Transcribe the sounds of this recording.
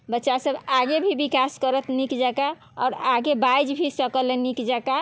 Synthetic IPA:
bətːʃasəbaɡebʱibikaskəɾət̪nikd͡ʒaka | ɔ̰ɾaɡebajd͡ʒbʱisəkəlenikd͡ʒaka

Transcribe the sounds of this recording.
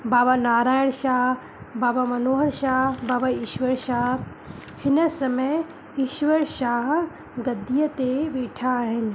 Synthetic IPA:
baːbanaːɾaːjɪɽ̃ʃaːɦ | baːbamɐnoːɦəɾʃaːɦbaːbaiːʃʋəɾʃaːɦ | hɪnəsɐməj | iːʃʋəɾʃaːɦ | ɡɐd̪ijət̪eʋeːʈʰaɦɪnɪ̆

